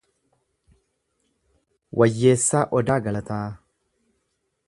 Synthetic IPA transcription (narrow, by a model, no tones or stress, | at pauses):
wʔɐjːeːsːaːʔɔd̪aːɡɐlɐt̪aː